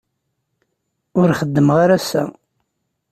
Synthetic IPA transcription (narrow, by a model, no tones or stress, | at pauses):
ʊɾχəd̪ːəmʁaɾæsæ̰